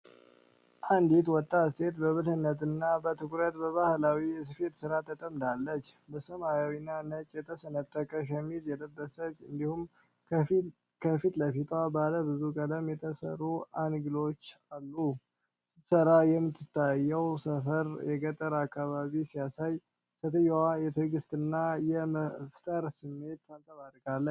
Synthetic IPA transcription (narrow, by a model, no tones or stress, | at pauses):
ʔand̪it̪wɔt̪ʼːase̞t̪bəβɨlhɨnːət̪ɨnːabət̪ʰɨkʼɾət̪bəβahlawis̬ɨfe̞t̪sɨɾat̪ʰət̪ʼəmd̪alːət͡ʃːbəsəmajawinːanət͡ʃʼjɛt̪ʰəsənət̪ʼːəkʼəʃ̬ɛmːizjɛləbːəsət͡ʃʼːɨnd̪ihum | kʰəfit̪ləfit̪ʰʼwabaləβɨzukʼələmjɛt̪ʰəsə̰ɾuanɡɨlo̞t͡ʃːalːu | sɨ̥səɾajɛmːɨt̪ʰːɨt̪ʰːajːɛwsəfəɾjɛɡət̪ʼːəɾakʰːaβaβisijasaj | sət̪ʰəjwajɛt̪ʰɨɡɨst̪ɨnːajɛməft̪ʼəɾsɨmːe̞t̪ːansʼəβad̪ɡalːə